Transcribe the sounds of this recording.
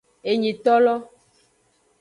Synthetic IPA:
e˨ɲĩ˨t̪ɔ˦lɔ˦

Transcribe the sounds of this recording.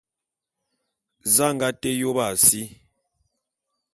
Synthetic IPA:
za˦˨ŋɡa˦tɛ˦jo˦ba˨si˦

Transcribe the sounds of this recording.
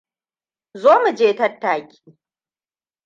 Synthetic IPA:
zoː˦mu˨d͡ʒeː˦tɐ˦tːaː˨kʲi̥ː˦

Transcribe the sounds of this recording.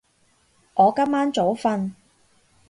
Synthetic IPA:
ʔɔː˨˧kɐ˥mːaː˥nt͡so˨˥wfɐ˧n

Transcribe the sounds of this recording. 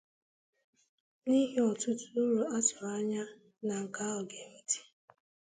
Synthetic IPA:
ni˦ɦe˦ɔ˨tʊ˦tu˦ɾu˨a˦tɔ˨a˦ɲa˦ | na˨ŋ̩˨ka˦ɔ˨ɡe˨m̩˦ti̥˨

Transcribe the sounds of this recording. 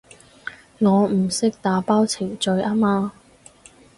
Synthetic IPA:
ŋɔː˨˧m̩˨˩sɪ˥k̚t̪aː˨˥paː˥wt͡sʰɪ˨˩ŋt͡ʃɵ˧ɥʔaː˥maː˧

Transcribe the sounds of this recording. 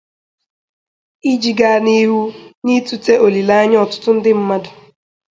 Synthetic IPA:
i˦d͡ʒi˨ɡa˦˨ni˦ɦu˦ni˦tu˦te˦ʔo˨li˨la˦a˦ɲ˦ɔ˨tʊ̥˦tʊ˦n̩˦dɪ˦m̩˦ma˦dʊ˨

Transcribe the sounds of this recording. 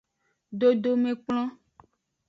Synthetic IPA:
ɖo˦ɖo˨mẽ˨k͡plɔ̃˦

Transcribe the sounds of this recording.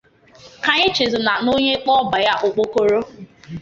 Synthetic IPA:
ka˨ɲe˦t͡ʃe˨zʊ˨na˨no˦ɲe˦k͡pɔ˦ba˨ja˦ʔʊ˨k͡po˦ko˦ɾo˦

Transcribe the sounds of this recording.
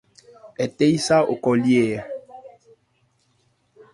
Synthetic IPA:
ɛ˨te˦jsa˦o˨kɔ˨ljɛː˦˨

